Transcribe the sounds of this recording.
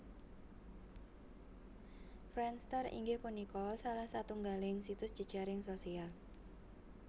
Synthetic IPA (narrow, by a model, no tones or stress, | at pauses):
fɾɛnst̪ərḭŋɡɪhpunikɔlsalahsat̪uŋɡalɪŋsit̪ʊsʒ̥i̤d̥ʒ̥aɾɪŋsosial